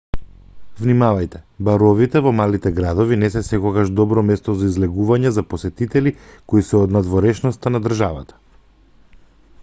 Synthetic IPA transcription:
vnimavajt̪ɛbaɾɔvit̪ɛvɔmalit̪ɛɡɾad̪ɔvinɛs̬ɛsɛkɔɡaʒd̪ɔbɾɔmɛst̪ɔzaizlɛɡuvaɲɛzaposɛt̪it̪ɛlikoisɛɔd̪nad̪vɔɾɛʃnɔst̪anad̪r̩ʒava̰t̪ḁ

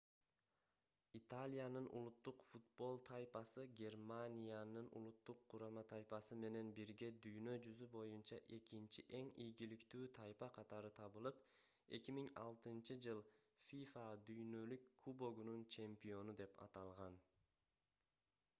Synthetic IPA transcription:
it̪alʲijanɯnṵlˠut̪ːuqfut̪̚bo̞lˠt̪ʰajpɑsɯɡʲe̞rmanʲijanɯnṵlˠut̪ːuqʰːuɾɑmɑt̪ʰɑjpɑsɯme̞ne̞nbiɾɡʲe̞d̪yjnø̞d͡ʒyzybo̞junt͡ʃɑʔe̞kint͡ʃiʔe̞ŋijɡilikt̪yːt̪ʰɑjpɑqʰɑt̪ɑɾɯt̪ʰɑβɯlˠɯp | e̞̰kʲimiŋɑ̰lˠt̪ɯnt͡ʃɯd͡ʒɯlˠfʲifad̪yjnø̞lykʰːubo̞ɡununt͡ʃʰe̞mpijo̞nud̪e̞pɑ̰t̪ɑlˠʁɑn

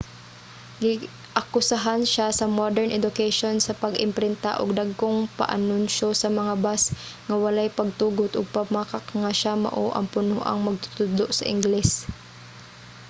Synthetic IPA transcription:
ɡɪ | ʔɐkʊsaɦanʃasɐmod̪ɛɹnʔɛd̪ʊkɛjʃonsɐpɐɡɪmpɾɪnt̪a̰ʔʊɡ̚d̪aɡ̚koŋpɐ̰ʔɐ̰nʊnʃosɐmɐŋabasŋɐwɐlajpɐɡ̚t̪uːɡʊt̪ʔʊɡ̚pamakakaŋaʃamɐ̰ʔoʔɐ̰ŋpʊnoʔa̰ŋmɐɡ̚t̪ʊ̥t̪ʊd̪loʔsɐʔɪ̰ŋɡlɛs

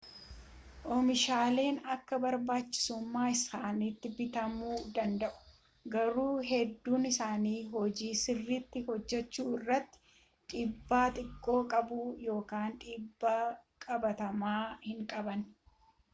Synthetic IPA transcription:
ʔɔmɪʃaːle̞ːnɐkːɐbɐɾbaːt͡ʃːɪ̥sʊmːaːɪsaːnit̪ːɪbɪt̪ɐmuːd̪ɐnd̪ɐʔʊ̥ | ɡɐɾuːɦɛd̪ːuːnɪsaːniːɦɔd͡ʒiːsɪrːɪt̪ːɪhɔd͡ʒːɛt͡ʃːuːɪrːɐt̪ːɪ̥ | ᶑʼɪbːaːt̪ʼɪkʼːo̞ːkʼɐbuːjo̞ːkaːnᶑ̪ʼɪbːakʼɐbɐt̪ɐmaːhɪŋkʼɐbɐn

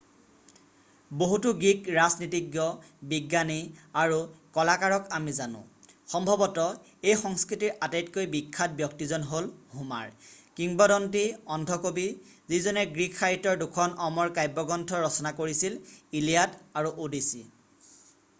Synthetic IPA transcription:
boɦutuɡikɹaznitiɡjɔ | biɡːaniaɹukɔlakaɹɔkamizanʊ̰̃ | xɔmbʱɔbɔtɔ | ejxɔŋskɹitiɹʔatajtkojbikʰːat̚bjɔktizɔnɦolɦuma̰ɹkiŋbɔdɔntiɔndʱɔkobi | zizɔnɛɡɹikxaɹitɔɹdukʰɔnɔmɔɹkajbɔɡɔntʰɔɹɔsɔnakoɹisililijadaɹuʔodisḭ

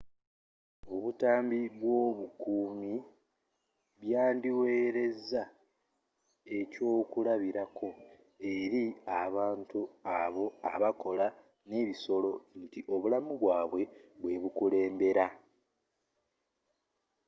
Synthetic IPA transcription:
o̞βutaːmbiβwo̞ːβukuːmi | βjaːndiwe̞ːɾe̞za | e̞co̞ːkulaβiɾakʰo̞ | e̞ɾiaβaːntuaβo̞aβako̞la | ne̞ːβiso̞lo̞ntiʔo̞βulamuβwaːβwe̞βwe̞βukule̞ːmbe̞ɾa

